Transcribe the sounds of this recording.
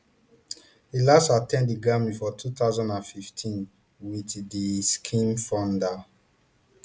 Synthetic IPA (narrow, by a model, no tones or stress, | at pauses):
ilasatɛ̃ndiɡamĩfɔtʰutaʊzɔ̃ndãnfiftʰĩn | witdiskʰĩmfɔ̃nda